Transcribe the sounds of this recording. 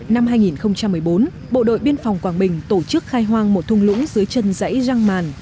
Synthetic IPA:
na˧mɦaː˧jŋi˨˩nxə˧wŋ͡mt͡ɕa˧mːɨ˨˩əjɓo˨˦n | ɓo̰˧˨ɗo̰˧˨jɓi˧ənfa˨˩wŋ͡mkwaː˧˩ŋɓï˨˩ŋ̟t̪o˧˩t͡ɕɨ˦˥k̚xaː˧jɦwaː˧ŋmo˨˩t̚t̪ʰʊ˧ŋ͡mlʊ̰˧˥ŋ͡mzɨ˨˦əjt͡ɕə˧nzə̰˧˥jza˧ŋmaː˨˩n

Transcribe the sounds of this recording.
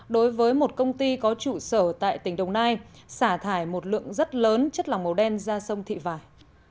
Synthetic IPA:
ɗo˨˦jvəː˨˦jmo˨˩t̚kə˧wŋ͡mt̪i˧kɔ˨˦t͡ɕṵ˧˨səː˧˩t̪a̰ː˧˨jt̪ï˧˩ŋ̟ɗə˨˩wŋ͡mnaː˧j | saː˧˩t̪ʰaː˧˩jmo˨˩t̚lɨ̰˧˨əŋzə˦˥t̚ləː˨˦nt͡ɕə˦˥t̚la˨˩wŋ͡mmə˨˩wɗɛ˧nzaː˧sə˧wŋ͡mt̪ʰḭ˧˨vaː˧˩j

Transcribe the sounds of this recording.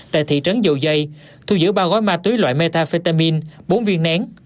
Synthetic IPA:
t̪a̰ː˧˨jt̪ʰḭ˧˨t͡ɕə˨˦nzə̰˧˨˩wzə˧j | t̪ʰu˧zɨ̰˧˥ɓaː˧wɣɔ˨˦jmaː˧t̪wi˨˦jlwa̰ː˧˨jme˧t̪aː˧fi˧t̪aː˧mi˧nɓo˨˦nvi˧ənna˨˦ŋ

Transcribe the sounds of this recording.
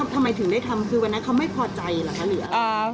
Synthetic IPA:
a˧˥t̪ʰa˧mːa˧jt̪ʰɯ˨˩˦ŋdaː˥˩jt̪ʰa˧mkʰɯː˧wa˧nːi˦˥kʰa˦˥wma˥˩jpʰɔː˧t͡ɕa˧jlɛː˨˩kʰa˦˥˩lɯ˩˦ɐa˧

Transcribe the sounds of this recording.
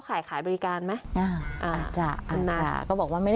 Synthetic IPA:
kʰaː˨˩˦jkʰaː˨˦jbɔː˧ɾi˧kaː˧nma˦˥jʔaː˧˩ʔaː˧˩t͡ɕa̰˧˩a˧na˧t͡ɕa̰˧˩kɔː˥˩bɔː˨˩k̚waː˧˥˧ma˥˩jda˧

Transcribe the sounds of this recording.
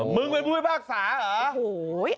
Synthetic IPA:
mɨ˧˦ŋwe˨˧˦mu˦˧˩əjɓaː˧˩k̚saː˨˦ʔəː˧˦˨

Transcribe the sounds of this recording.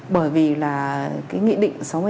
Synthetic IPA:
ɓəː˧˩jvi˨˩laː˨˩kaː˨˦jŋḭ˧˨ɗḭ˧˨ŋ̟sa˨˦wŋ͡m

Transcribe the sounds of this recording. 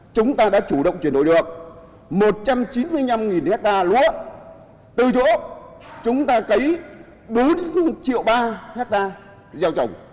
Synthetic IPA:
t͡ɕʊ˨˦ŋ͡mt̪aː˧ɗa̰ː˧˥t͡ɕu˧˩ɗə̰˧˨wŋ͡mt͡ɕwi˧˩əɗo̰˧˨jɗɨ̰˧˨əŋ̚ | mo˨˩t̚t͡ɕa˧mt͡ɕi˨˦nmɨ˧əjɲa˧mŋi˨˩nhɛ˦˥k̚t̪aː˧lṵ˧˥ə | t̪ɨ˨˩t͡ɕɔ̰˧˥t͡ɕʊ˨˦ŋ͡mt̪aː˧kə˨˦j | ɓo˨˦nt͡ɕḭ˧˨əwɓaː˧hɛ˦˥k̚t̪aː˧ | zɛ˧wt͡ɕə˨˩wŋ͡m

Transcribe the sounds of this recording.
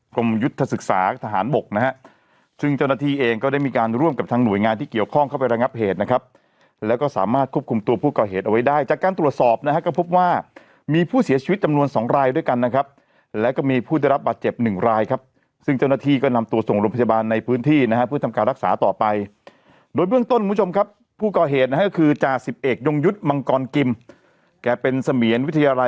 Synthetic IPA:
ko˧mju˦˥t̪ʰːa˧sɯ˨˩k̚saː˩˦t̪ʰa˧ɦaː˩˦nbo˨˩k̚na˦˥kʰa˦˥ | sɯ˥˩ŋt͡ɕa˥˩wnaː˥˩iː˥˩ʔeː˧ŋkɔː˥˩daː˥˩jmiː˧kaː˧nɾu˥˩əmka˨˩p̚t̪ʰaː˦˧˥ŋnu˨˩əjŋaː˧nt̪ʰiː˥˩ki˨˩əwkʰɔ˥˩ŋkʰa˥˩wpa˧jɾa˧ŋa˦˥p̚heː˨˩t̪̚na˦˥kʰa˦˥p̚ | lɛː˦˥wkɔː˥˩saː˩˦maː˥˩t̪̚kʰu˥ə˩p̚kʰu˧mt̪u˧ɐpʰuː˥˩kɔː˨˩ɦeː˨˩t̪̚ʔa˧wa˦˥jdaː˥˩jt͡ɕaː˨˩kːaː˧nt̪ɾu˨˩ət̪̚sɔː˨˩p̚na˦˥a˦˥kɔː˥˩pʰo˦˥p̚waː˥˩ | miː˧pʰuː˥˩si˨˦t͡ɕʰi˧˦t̪̚t͡ɕa˧mnu˧ənsɔː˩˦ŋɾaː˧jdu˥˩əjka˧nːa˦˥kʰa˦˥p̚ | lɛː˦˥wkɔː˥˩miː˧pʰuː˥˩a˥˩ɾa˦˥p̚baː˨˩t̪̚t͡ɕe˨˩p̚nɯ˨˩ŋɾaː˧jkʰa˦˥p̚ | sɯ˥˩ŋt͡ɕa˥˩wnaː˥˩t̪ʰiː˥˩kɔː˥˩na˧mt̪u˧əso˨˩ŋɾoː˧mpʰa˧˩ja˧baː˧nːa˧jpʰɯː˦˥nt̪ʰiː˥˩na˥kʰa˦˥pʰɯ˥˩ət̪ʰa˧mkaː˧nɾa˦˥k̚sa̰ː˩˦t̪ɔː˨˩pa˧j | doː˧jbɯ˥˩ŋt̪o˥˩nku˧˦˥t͡ɕo˧mkʰa˦˥pʰːuː˥˩kɔː˨˩ɦeː˨˩t̪̚na˥a˥kɔ˥˩kʰɯː˧t͡ɕaː˨˩k̚si˨˩p̚ʔeː˨˩k̪̚jo˧ŋju˦˥t̪̚ma˧ŋkɔː˧nki˧m | kɛː˨˩pe˧nsa˧mi˩˦ənwt̪ʰːa˧jaː˧la˧

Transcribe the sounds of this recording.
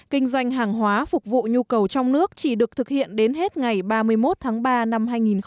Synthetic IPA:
kï˧ŋ̟zwa˧jŋ̟ɦaː˨˩ŋɦwaː˨˦fʊ˨˩k͡p̚vṵ˧˨ɲu˧kə˨˩wt͡ɕɔ˧wŋ͡mnɨ˦˥ək̚t͡ɕi˧˩ɗɨ˨˩ək̚t̪ʰɨ˨˩k̚hḭ˧˨ənɗe˨˦nɦe˦˥t̚ŋa˨˩jɓaː˧mɨ˧əjmo˦˥t̚t̪ʰaː˨˦ŋɓaː˧na˧mɦaː˧jŋi˨˩n

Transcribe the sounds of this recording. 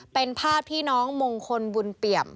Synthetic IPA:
pe˧npʰaː˥˩iː˥˩nɔː˦˥ŋmo˧ŋkʰo˧nbu˧npi˨˩əm

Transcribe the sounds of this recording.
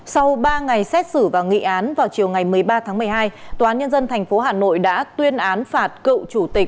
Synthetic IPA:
sa˧wɓaː˧ŋa˨˩jsɛ˦˥t̚sɨ˧˩vaː˨˩wŋḭ˧˨ʔaː˨˦nvaː˨˩wt͡ɕi˨˩əwŋa˨˩jmɨ˨˩əjɓaː˧t̪ʰaː˨˦ŋmɨ˨˩əjɦaː˧jt̪o˧˨aː˨˦nɲə˧nzə˧nt̪ʰjŋ̟fo˨˦ɦaː˨˩no̰˧˨jɗa̰ː˧˥t̪wi˧ənʔaː˨˦nfaː˨˩t̚kɨ̰˧˨t͡ɕu˧˩t̪ï˨˩k̚

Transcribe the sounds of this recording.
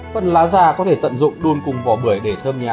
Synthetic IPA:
fə˧˨nlaː˨˦zaː˧˩kɔ˨˦t̪ʰe˧˩t̪ə̰˧˨nzʊ̰˧˨ŋ͡mɗu˧ənkʊ˨˩ŋ͡mvɔ˨˩ɓɨ˧˩əjɗe˧˩t̪ʰəː˧mɲaː˨˩

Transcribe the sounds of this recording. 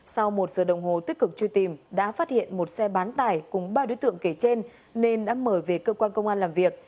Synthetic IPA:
sa˧wmo˨˩t̚z̥əː˨˩ɗə˨˩wŋ͡mɦo˨˩t̪i˦˥k̚kɨ˨˩k̚t͡ɕu˧t̪i˨˩mɗa̰ː˧˥faː˦˥t̚hḭ˧˨ənmo˨˩t̚sɛ˧ɓaː˨˦nt̪aː˨˩jkʊ˨˩ŋ͡mɓaː˧ɗo̰˨˧˦jt̪ɨ̰˧˨əŋke˧˩t͡ɕe˧n | ne˧nɗa̰ː˧˥məː˧˩jve˨˩kəː˧kwaː˧nkə˧wŋ͡mʔaː˧nlaː˨˩mvi˨˩ək̚

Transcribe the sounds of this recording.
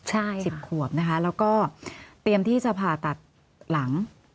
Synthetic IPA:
t͡ɕʰa˥˩si˨˩p̚kʰu˨˩əp̚na˦˥kʰa˦˥lɛː˦˥wkɔː˥˩t̪i˧əmt̪ʰiː˥˩sa˧pʰaː˨˩t̪a˨˩t̪̚ | la˩˦ŋ

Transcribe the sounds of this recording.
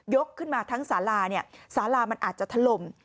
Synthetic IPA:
jo˦˥kʰːɯ˥˩nmaː˧t̪ʰaː˦˥ŋsaː˩˦laː˧ni˥˩ɐsaː˩˦laː˧ma˧nʔaː˨˩t̪̚t͡ɕa˨˩t̪ʰa˧lo˨˩m

